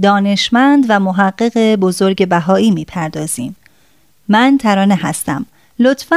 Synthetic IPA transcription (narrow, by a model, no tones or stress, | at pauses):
d̪ɒːne̞ʃmænd̪væmoɦæɢːeɣebo̞zo̞ɾɟe̞bæɦɒːiːmiːpʰæɾd̪ɒːz̥iːmː | ænt̪ʰæɾɒːneɦæst̪æ̰m | lo̞t̪fæ